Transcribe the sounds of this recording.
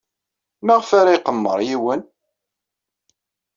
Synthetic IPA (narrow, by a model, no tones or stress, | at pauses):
mæʁfaɾaiqəmːə̰ɾˤjiwən